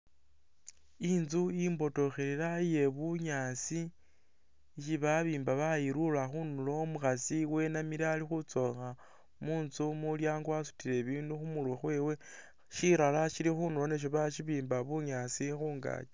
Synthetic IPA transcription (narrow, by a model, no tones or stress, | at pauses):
inzuimbo̞to̞xeɾeɾaje̞βuɲaːsi | ʃiβaβiːmbaβajiɾulaxunulo̞muxasiwe̞namiɾaːlixut͡so̞xa | muːnzumuljaːŋɡwasu̥tiɾe̞βiːnduxumulwexwe̞ːwe̞ | ʃiɾalaʃilixunulo̞neʃ̬oβaʃiβiːmbaβuɲaːsixuːŋɡa̰ːt͡ʃe